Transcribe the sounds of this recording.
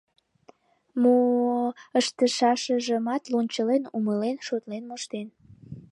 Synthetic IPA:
mo | əʃt̪əʃɑʃəʒəmɑt̪lonʲt͡ɕəlenuməlenʃot̪lenmoʃt̪en

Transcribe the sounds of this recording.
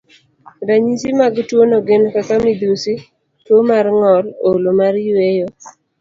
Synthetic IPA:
ɾaɲisimaɡtwonoɡenkakamid̪usi | twomarŋɔlolomaɾjwejo

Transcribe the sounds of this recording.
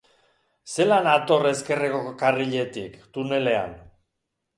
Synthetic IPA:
se̞lanat̪o̞re̞ske̞rekokariʎe̞t̪ikt̪une̞le̞a̰n

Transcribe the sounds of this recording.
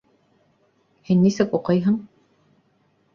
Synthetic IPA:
hinːisɘkuqɤjɦɤ̆ɴ

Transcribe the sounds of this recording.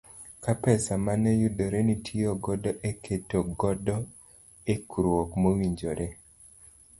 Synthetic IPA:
kapɛsamanɛjudoɾenitʰioɡɔdɔʔekʰetoɡɔdɔ | ekuɾwokmowiɲd͡ʒoɾʔe

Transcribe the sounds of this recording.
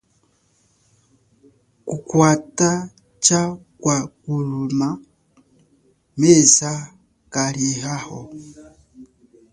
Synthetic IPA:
kukwata | t͡ʃakwakuluma | mɛza | kaɾihahɔ

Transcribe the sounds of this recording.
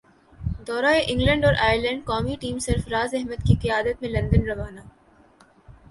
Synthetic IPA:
d̪ɔːɾaeʔɪ̃ŋɡlə̃ɳɖɔːɾʔaːjəɾlə̃ɳɖkɔːmiʈiːmsɪɾfɾaːzɛɦməd̪kiqɪjaːd̪ət̪mẽlɐ̃nd̪ənɾɐʋaːnaː

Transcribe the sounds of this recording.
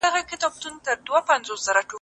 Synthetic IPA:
aɣakɪt̪ɑb̚t̪unt̪əɾd̪wapanzosz̥aɾaʈo

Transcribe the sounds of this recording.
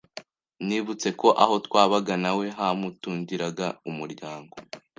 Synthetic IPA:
niːβut͡se̞ko̞ʔaɦo̞twaːβaɡanawe̞ɦamutuːɲɟiɾaɡaumuɾɟaːŋɡo̞

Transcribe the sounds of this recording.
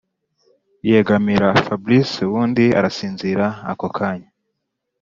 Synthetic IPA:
jeɡamiɾafablisuβuːndia̰ɾasiːnziɾaa̰kokʰaɲa

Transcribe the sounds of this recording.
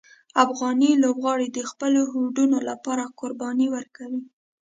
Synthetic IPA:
afɣɑnilobɣɑɽid̪əxpəloɦuɖunolapɑɾakʊɾbɑniwəɾkawi

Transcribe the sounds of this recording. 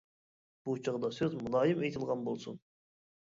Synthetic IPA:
b̥ut͡ʃʰəʁd̪ɑsøzmulˠɑːjɨmejt̪ʰɨlˠʁɑnbolˠsṵn

